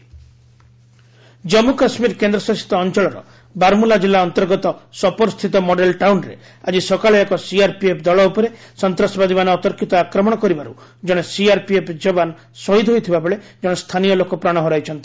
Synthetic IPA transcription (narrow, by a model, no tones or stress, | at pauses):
d͡ʒɔmukasmiɾkend̪ɾɔsɔsi̥t̪ɔːnt͡ʃɔɭɔɾɔ̰ | baɾmulad͡ʒilːaɔnt̪ɔɾɡɔt̪ɔsɔpɔɾst̪ʰit̪ɔmoɖelʈawnɾḛ | a̰d͡ʒisɔkaɭɔekɔsiaɾpiepʰd̪ɔɭɔupɔɾesɔnt̪ɾasɔbad̪imanɔːt̪ɔɾkʰit̪ɔakɾɔmɔɽ̃ɔkɔɾibaɾu | d͡ʒɔɽ̃esiaɾpiepʰd͡ʒɔban | sɔɦid̪ʱɦojt̪ʰibabɔɭed͡ʒɔɽ̃est̪ʰanijɔlokɔpɾaɽ̃ɔɦɔɾajt͡ʃʰɔnt̪i̥